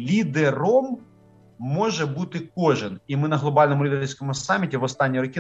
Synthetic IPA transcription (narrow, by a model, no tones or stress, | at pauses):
lʲid̪eɾɔmː | ɔʒɛbut̪ɪk̚ɔʒɪnimɪnɐɦlˠɔbɑlʲnɔmʊlʲid̪eerʲsʲkɔmʊsɑmʲːitʲiʋɔst̪ɑnʲːiɾɔkʲi